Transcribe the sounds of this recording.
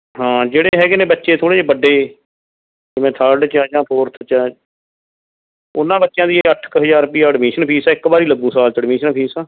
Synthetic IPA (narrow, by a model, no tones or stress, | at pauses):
ɦãːd͡ʒeːɽeːɦɛːɡeːnẽːbətːʃeːt̪ʰoːɽeːeːbəɖːeː | d͡ʒɪmẽːt̪ʰəɾɖt͡ʃaːd͡ʒãːpʰoːɾt̪ʰt͡ʃaː | ʊnːãːbətːʃjãːd̪iːəʈʰkɦəd͡ʒaːɾpiːaːəɖmiːʃənpʰiːsaːɪkbaːɾiːləɡːũːsaːlt͡ʃəɽmiːʃənpʰiːsãː